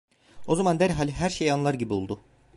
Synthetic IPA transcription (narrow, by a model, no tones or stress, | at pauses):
o̞zamand̪æɾɦalʲiɦæɾʃejanlˠaɾɟibiolˠd̪ʊ